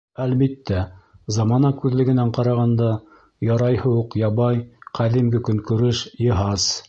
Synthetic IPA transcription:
ælbit̪ːæzɑmɑnɑkʉðlɘ̆ɡɘ̆næɴqɑɾɑʁɑnd̪ɑ | jɑɾɑjhɤuqjɑβɑjqʰæðimɡɘkɵ̆ŋkɵ̆ɾɘʃjɤ̆ɦɑz̥

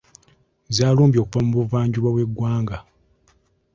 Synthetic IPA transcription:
zjaːluːmbjo̞ːkuvamubuvaːɲɟuβawe̞ɡːwaːŋɡa

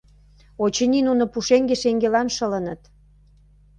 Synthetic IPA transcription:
ot͡ɕə̆ninunŏpuʃeŋɡeʃeŋɡelɑnʃə̆lə̆nə̆t̪

